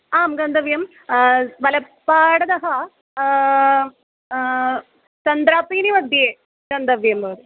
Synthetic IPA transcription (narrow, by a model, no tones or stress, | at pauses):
aːmɡɐnd̪ɐʋjɐm | ʋɐlɐpːaːɽɐd̪ɐɦɐ | t͡ʃɐnd̪ɾaːpiːniʋɐd̪ʱjeː | ɡ̥ɐnd̪ɐʋjɐmɐʋɾu